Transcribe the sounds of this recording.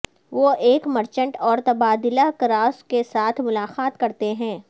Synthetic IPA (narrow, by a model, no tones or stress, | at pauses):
ʋoʔeːkmɐɾt͡ʃə̃ɳʈɔːɾt̪ɐbaːd̪ɪlakɾaːskesaːt̪ʰmʊlaːqaːt̪kɐɾt̪eɦɛ̃ː